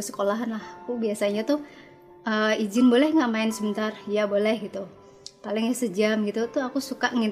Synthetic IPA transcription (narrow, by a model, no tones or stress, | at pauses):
sə̥kolaɦanlahakubiasaɲat̪ʊh | ʔəid͡ʒɪnbolɛhŋɡaʔmaɪnsəbənt̪arjabolɛhɡit̪u | palɪŋjasəd͡ʒamɡit̪ut̪uakusukaʔŋin